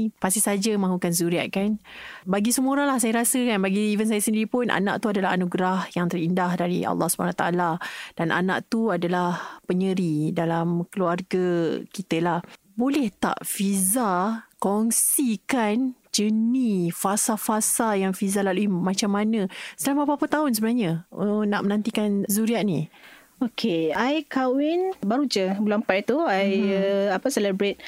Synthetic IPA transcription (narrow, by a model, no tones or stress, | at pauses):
past̪isad͡ʒəmãɦukanzuɾiaʔ̪̚kanbaɡisəmuoɾalahsajaɾasəkanbaɡiivəns̬ajasəndiɾipʊnʔa̰nã̰ʔt̪uadalaɦanuɡɾahjaŋt̪ərindahdaɾḭa̰lˠːɑhsubanawat̪aalad̥anʔa̰nã̰ʔt̪uadalahpəɲəɾidalamkəluarɡakit̪əlah | bolɛht̪a̰ʔfizakɔŋsikan | d͡ʒənifasafasajaŋfizalaluimãt͡ʃamːanə̃səlampapapat̪aʊns̬əbənaɲənaʔmənãnt̪ikanzuɾiaʔni | okʰeajkawɪnbaɾud͡ʒəbulampajt̪uajəapasɛlɛbɾet̪̚